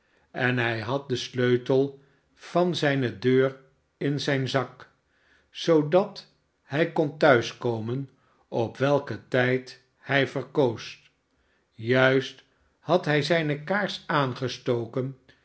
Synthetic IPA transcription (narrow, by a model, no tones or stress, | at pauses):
ɛnɦɛjɦɑt̚dəsløɥtəlˠ | v̥ɑnzɛjnədøːr | ɪnzɛjnzɑk | sowdɑt | hɛjkɔntœɥskowmən | ɔpʋɛlˠkətɛjt | hɛjvəɹkows | jœɥst | hɑtɦɛjzɛjnəkaːɹsaːnχəstowkən